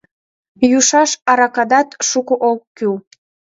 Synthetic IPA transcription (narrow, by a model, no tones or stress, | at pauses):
juʃɑʃɑɾɑkɑd̪ɑt̪ʃukoʔokːyw